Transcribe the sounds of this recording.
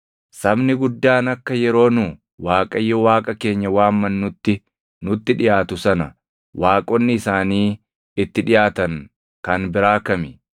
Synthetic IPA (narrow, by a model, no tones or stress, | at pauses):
sɐbnɪɡʊd̪ːaːnɐkːɐjɛɾo̞ːnʊ | waːkʼɐjːɔwaːkʼɐke̞ːɲːɐwaːmːɐnːʊt̪ːɪ | nʊt̪ːɪᶑɪjaːt̪ʊsɐnɐ | waːkʼɔnːɪːsaːniː | ɪt̪ːɪᶑɪjaːt̪ɐŋ | kɐnbɪɾaːkɐmɪ